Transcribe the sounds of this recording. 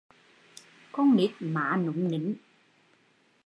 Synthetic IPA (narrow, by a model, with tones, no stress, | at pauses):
kɔ˧nmi˨˥t̪̚maː˨˦nu˨˦ŋ͡mni˨˦n